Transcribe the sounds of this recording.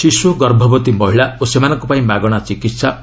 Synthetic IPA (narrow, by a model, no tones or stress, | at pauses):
siswoɡʌrbʱɔbɔt̪imʌɦiɭaosemanʌŋkopaĩmaɡɔɽ̃at͡sikit̪sa